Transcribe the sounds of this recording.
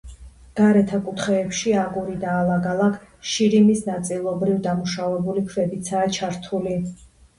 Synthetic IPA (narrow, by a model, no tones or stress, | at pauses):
ɡ̥aɾɛt̪ʰakʼut̪ʰχɛːpʃiaɡuɾid̪aːlˠaɡalˠakʰʃiɾimisnat̪sʼilˠɔbɾivd̪amuʃavɛbulikʰvɛbit̪sʰaːt͡ʃʰaɾt̪ʰuli